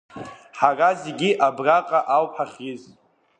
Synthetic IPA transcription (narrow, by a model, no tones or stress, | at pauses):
ħarazeɡʲiʔabraqʼaʔawpħaχʲɪz